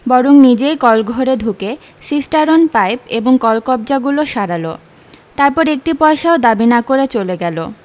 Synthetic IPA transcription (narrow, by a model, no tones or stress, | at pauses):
bɔɾuŋnid͡ʑejkɔlɡʱoɾed̪ʱuke | sisʈaɾonpajpeboŋkɔlkɔb̚d͡ʑaɡuloʃaɾalo̰ | t̪aɾpɔɾek̚ʈipɔeʃaod̪abinakoɾet͡ɕoleɡɛlo̰